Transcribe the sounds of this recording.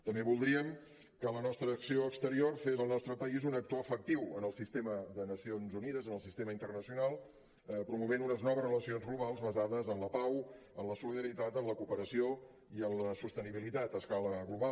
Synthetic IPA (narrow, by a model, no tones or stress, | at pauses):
t̪əmbeβulˠd̪ɾiəm | kələnɔst̪ɾəːksioəkst̪əɾiorfezəlˠnɔst̪ɾəpəizunək̚t̪oəfək̚t̪iwənəlˠsist̪eməðənəsionzuniðəzənəlˠsist̪eməint̪ərnəsiunalˠ | pɾumuβenunəznɔβəzrələsionzɣluβalˠzβəzaðəzənləpaw | ənləsuliðəɾit̪at̪əmləkupəɾəsio | iənləsust̪əniβilit̪at̪əskaləɣluβa